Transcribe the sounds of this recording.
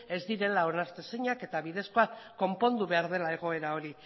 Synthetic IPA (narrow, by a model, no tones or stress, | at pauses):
e̞zd̪iɾe̞lao̞naɾt̪esiɲake̞t̪aβiðe̞sko̞akːo̞mpo̞nd̪uβe̞aɾð̞e̞lae̞ɣ̞o̞e̞ɾao̞ɾi